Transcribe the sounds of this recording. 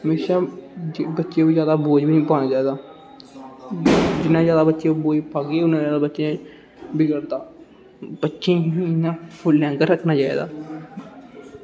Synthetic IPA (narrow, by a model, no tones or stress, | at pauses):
ɦəmeːʃãː | bətːʃãːbiːzjaːd̪aːboːd͡ʒbinĩːpaːnaːd͡ʒaːeːd̪aː | d͡ʒɪnːãːzjaːd̪aːbətːʃjãːboːd͡ʒpaːɡeːʊnːãːjaːd̪aːbətːʃjãː | bɪɡəɾd̪aː | bətːʃẽɪnːãːpʰʊlːãːŋkəɾəkʰnaːd͡ʒaːḛːd̪a̰ː